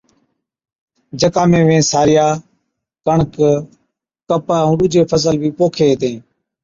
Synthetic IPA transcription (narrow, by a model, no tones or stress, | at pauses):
d͡ʒəkaːmẽːʋẽːsaːɾɪjaː | kəɳk | kəpaːũɗʊd͡ʒʱeːpʰəs̬əlʋiːpoːkʰeːt̪ẽː